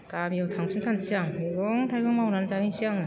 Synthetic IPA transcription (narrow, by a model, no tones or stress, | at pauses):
kamiawtʰaŋsʰintʰansiaŋiɡɔŋtʰajɡɔŋmawnanzaiŋsiaŋ